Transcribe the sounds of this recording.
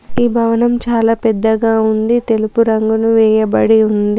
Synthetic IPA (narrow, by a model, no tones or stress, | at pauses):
iːbʱɐʋɐnɐmt͡ʃaːlaːpɛd̪ːɐɡaːund̪it̪e̞lupuɾɐŋɡunuʋɛːjɐbɐɽiund̪i